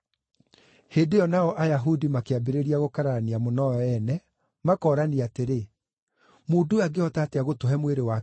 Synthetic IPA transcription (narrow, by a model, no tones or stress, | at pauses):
heːdejɔnaɔʔajaɦudimakeabeɾeɾiaɣokaɾaaniamonɔɔɛnɛ | makɔːɾaniateɾe | moːduaɡeɔtaːteaɣotoɦɛmweɾewa